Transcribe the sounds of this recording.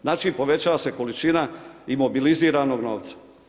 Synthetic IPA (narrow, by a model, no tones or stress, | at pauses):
znaːt͡ʃiːpo̞ʋe̞t͡ɕaːʋase̞ko̞lit͡ʃinaimo̞biliziːɾano̞ɡnoːʋt̪sḁ